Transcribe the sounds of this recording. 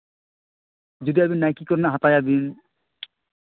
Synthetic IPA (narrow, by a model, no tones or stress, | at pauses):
d͡ʒud̪iabinːajkikɔɾnaɦat̪ajabin